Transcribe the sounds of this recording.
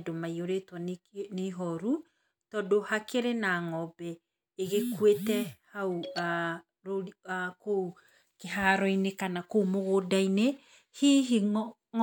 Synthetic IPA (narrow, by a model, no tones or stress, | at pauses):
domaioɾetwaneɦɔɾu | tɔdohakeɾenaŋɔbɛ | eɣekwetɛhaua | ɾoakou | keɦaɾɔinekanakoumoɣodaine | hiɦi